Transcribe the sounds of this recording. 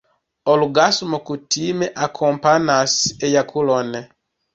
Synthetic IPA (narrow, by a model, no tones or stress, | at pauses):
ɔluɡasumokutʰimɛʔakʰɔmpanasɛjakʰulɔnɛ